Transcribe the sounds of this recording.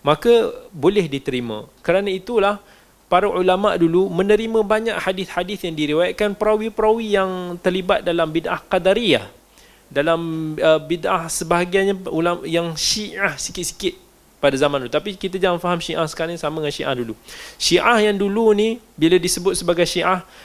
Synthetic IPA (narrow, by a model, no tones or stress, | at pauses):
mãkabolɛhdit̪əɾimã̰kəɾanãit̪ulah | paɾaʔulamaʔdulumə̃nəɾimə̃baɲaʔhadɪθhadɪθjaŋdiɾiwajat̪̚kanpɾawipəɾawijaŋt̪ərlibat̪̚dalambidʔahqadaɾiah | dalaməbidʔahsəbaɦaɡajɲaulajaŋʃiʔahsi̥kɪt̪̚si̥kɪt̪̚ | padazamãnuut̪apikit̪ad͡ʒaŋanfaɦamʃiʔahsə̥kaɾaɲsamə̃ŋanʃiʔa̰hduluʃiʔahjaŋdulunibiladisəbʊt̪̚səbaɡajʃiʔah